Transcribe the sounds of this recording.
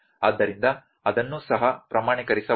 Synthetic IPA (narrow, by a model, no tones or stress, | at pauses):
aːd̪ːɐɾind̪ɐː | d̪ɐnːuːsɐɦɐpɾɐmaːɳikɐɾisɐ